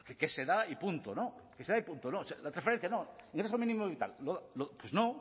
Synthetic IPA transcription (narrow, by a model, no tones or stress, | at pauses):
kekeseðaipunt̪onokeseðaipunt̪onosealat̪ɾasfee̞n̟θjanoĩŋɡɾes̬omĩnĩmoβit̪a̰lloðalopwezno